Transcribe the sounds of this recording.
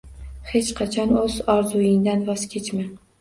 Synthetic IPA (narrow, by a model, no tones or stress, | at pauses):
he̞t͡ʃqʰɑt͡ʃʰɒnɵzɒɾzʊjɪŋd̪anvɒzkʲʰet͡ʃmɪ